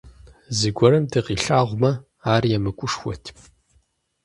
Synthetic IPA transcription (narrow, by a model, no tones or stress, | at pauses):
zɨɡʷɔɾɐmdɨqiːɬaːʁʷmɐ | aːrjɛmɨkʷʼʊʂxʷɔ̰tʰ